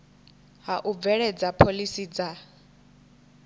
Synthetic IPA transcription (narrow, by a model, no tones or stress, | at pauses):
ɦaʔub̪vɛɺɛd͡zapʰolisid͡za